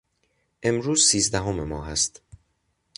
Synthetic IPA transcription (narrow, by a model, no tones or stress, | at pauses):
ʔe̞mɾuːzsiːzd̪æɦomemɒːɦæst̪